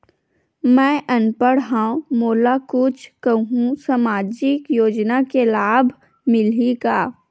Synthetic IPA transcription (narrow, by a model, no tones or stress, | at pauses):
mɛ̃ːʔənpəɽɦãːõmoːlakʊt͡ʃʰkəɦũsamaːd͡ʒɪkjoːd͡ʒnakelaːbʱ | mɪliɡaː